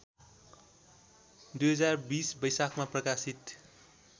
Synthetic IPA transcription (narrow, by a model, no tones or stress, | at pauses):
d̪ujɦʌd͡zarbisbʌjsakʰmaprʌkasit̪